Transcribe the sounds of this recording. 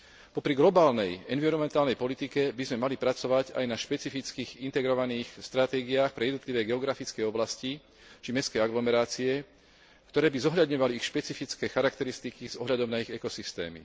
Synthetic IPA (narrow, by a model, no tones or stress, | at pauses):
pɔpɾiɡlɔbaːlnɛjɛnʋiɾɔmɛnt̪aːlnɛjpɔlit̪ikɛbizmɛmalipɾat͡sɔʋaɟa̰jnaʃpɛt͡sifit͡skiːɣint̪ɛɡɾɔʋaniːxst̪ɾat̪ɛːɡiaːxpɾɛjɛd̪nɔt̪liʋɛːɡɛɔɡɾafit͡skɛjɔblasci | t͡ʃimɛskɛjaɡlɔmɛɾaːt͡siɛ | kt̪ɔɾɛːbizɔɦʎad̪ɲɔʋaliixʃpɛt͡sifit͡skɛːxaɾakt̪ɛɾist̪ikiz̥ɔɦʎad̪ɔmnaiɣɛkɔsist̪ɛ̰ːmḭ